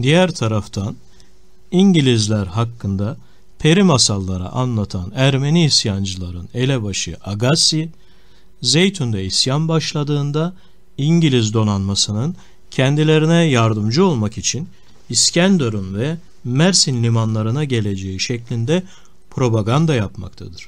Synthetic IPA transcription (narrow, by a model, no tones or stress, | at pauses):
d̪ijæɾt̪ʰaɾaft̪ʰan | iɲɟilʲizlʲæɾɦakːɯnd̪a | pʰe̞ɾimasalˠːaɾa̰ʔanlˠat̪ʰanæɾme̞niːsjand͡ʒɯlˠaɾɯne̞lʲɛbaʃɯʔaɡasi | zejt̪ʰund̪ɛisjanbaʃlˠad̪ɯːnd̪a | iɲɟilʲizd̪o̞nanmasɯnɯn | cʰɛnd̪ilʲe̞ɾinɛjaɾd̪ɯmd͡ʒɯo̞lˠmakit͡ʃʰin | iscʰænd̪oɾunvɛ | mæɾsinlʲimanlˠaɾɯnaɟe̞lʲe̞d͡ʒeiʃɛclʲind̪ɛ | pʰɾo̞baɡand̪ajapma̰kt̪ʰad̪ɯɾ̥